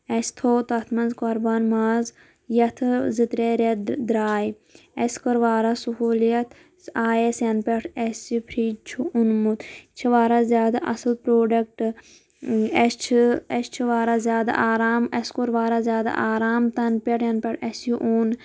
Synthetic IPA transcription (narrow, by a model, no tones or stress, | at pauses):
ɐst̪ʰoːt̪ɐt̪ʰmɐnzkoɾbɐnmaːz | jɐt̪ʰzit̪ɾeɾed̪ɾaːj | eskɐɾʋaːɾasuɦuːljɐt̪ | aːjesjɐnpʲeʈʰesipʰɾiːt͡ʃʰuʔunmut̪t͡ʃʰiʋaːɾaːzʲjaːd̪a̰ʔɐsɨlpɾoːɖɐk̚ʈ | est͡ʃʰest͡ʃʰiʋaːɾaːzjaːd̪a̰ʔaːɾaːmɐskoɾʋaːɾazʲjaːd̪a̰ʔaːɾaːmt̪ɐnpʲeʈʰjɐnpʲɐʈʰesjuʔun